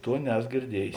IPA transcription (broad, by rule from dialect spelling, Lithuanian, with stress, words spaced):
ˈtuɔ ˈnʲæːsoː ɡʲɪrʲˈdʲiɛjeːs